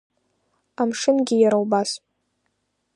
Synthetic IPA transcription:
amʂɨnɡʲɪjaɾawbas

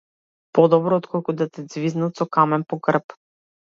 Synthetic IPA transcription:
pɔd̪ɔbɾɔːt̪kʰɔlˠkud̪at̪ɛd̪zviznat̪sɔkamɛnpɔɡr̩p

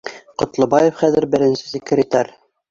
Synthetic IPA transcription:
qŏt̪lˠɤ̆bɑjefχæðɘ̆ɾbɘ̆ɾɘ̆nsɘ̥sikːɘɾit̪æɾ

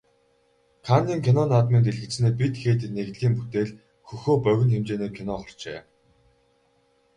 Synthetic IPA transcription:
kʰanːiːŋkʰinɔnaːt̪ment̪̬eɮɣɘ̆t͡sneːp̬it̪xeːt̪ɘ̆neɣɮiːmput̪eːɮ | xɵxoːpœɣʲɪ̆nxemt͡ɕeːneːkʰinɔːχɔ̆r̥t͡ɕḛː

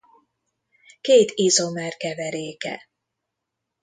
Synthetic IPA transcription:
keːt̪izomɛrkɛvɛɾeːkɛ̰

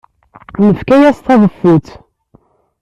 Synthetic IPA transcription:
nəfkæjæst̪ɑðˤəfːut̪

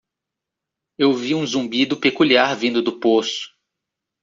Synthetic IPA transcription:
ewviũzũmbid̪ʊpekuliaɾvĩnd̪ʊd̪ʊposʊ̥

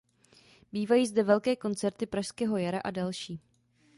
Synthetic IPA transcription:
biːvajiːzdɛvɛlkɛːko̞nt͡sɛɾt̪ɪpɾaʃskɛːɦojaɾaʔadalʃiː

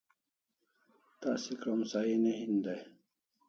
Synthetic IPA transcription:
t̪a̰sikɾɐmsaineɦind̪aj

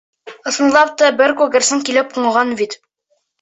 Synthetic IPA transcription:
ɤ̆sɤ̆nlˠɑp̚t̪ɑbɘɾkuɡɘ̆ɾsɘŋkilɘp̚quɴɤ̆ʁɑnbit̪

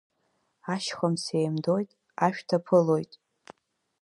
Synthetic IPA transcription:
aʃχʷamsejmdo̞jtʼ | aʃᶣtʰapʰɨlo̞jtʼ

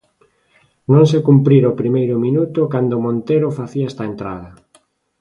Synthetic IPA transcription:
nõŋs̬ekumpɾiɾopɾimejɾʊmĩnut̪ʊkand̪omõnt̪eɾofaθiɐɛst̪ɐent̪ɾa̰ðɐ

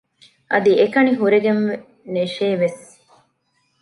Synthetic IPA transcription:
ʔɐd̪iekɐniɦuɾeɡenʋe | neʃeːʋes

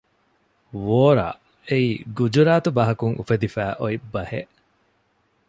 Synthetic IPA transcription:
ʋoːɾa̰ː | eiːɡud͡ʒuɾaːt̪ubɐɦɐkuŋʔṵfed̪ifæːʔoibːɐhḛʔ

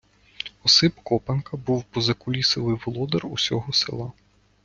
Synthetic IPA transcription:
ɔsɪpkɔpɐnkɐbuwpɔzɐkʊlʲisɪlˠɪjʋɔlˠɔd̪erusʲɔɦɔsḛlˠɑ

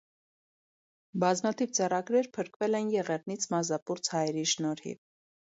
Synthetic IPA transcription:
bɑzmɑt̪ʰivt͡sɛrɑɡɾɛɾpʰəɾkvɛlɛnjɛʁɛʁnit͡sʰmɑzɑpuɾt͡sʰhɑjɛɾiʃnɔɾhḭ

